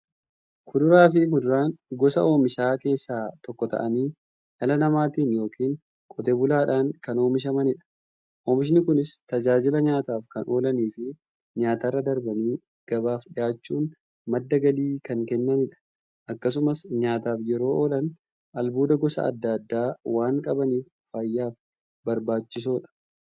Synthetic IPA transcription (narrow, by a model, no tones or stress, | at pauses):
kʰʊd̪ʊɾaːfɪmʊd̪ʊɾaːnɡɔsɐo̞ːmɪʃaːke̞ːsːaːt̪ɔkːɔt̪ɐ̰ʔɐniː | ʔɐlɐnɐmaːt̪iːnjo̞ːkiːŋ | kʼɔt̪ebʊlaːᶑaːŋkɐno̞ːmɪʃ̬ɐmɐnɪᶑɐ̥ | ʔoːmɪʃ̬ɪnɪkʊnɪst̪ɐd͡ʒaːd͡ʒɪlɐɲaːt̪aːfkɐnʔo̞ːlɐniːfɪ | ɲaːt̪arːɐd̪ɐɾbɐniː | ɡ̥ɐbaːfᶑɪjaːt͡ʃːuːn | mɐd̪ːɐɡɐliːkɐŋkɛnːɐnɪᶑɐ̥ | ʔɐkːɐs̬ʊmɐsɲaːt̪aːfjɛɾo̞ːʔoːlɐn | ʔɐlbuːd̪ɐɡɔsɐ̰ɐ̰d̪ːad̪ːaːwaːŋkʼɐbɐniːf | fɐjːaːf | bɐɾbaːt͡ʃːɪs̬oːᶑɐ̥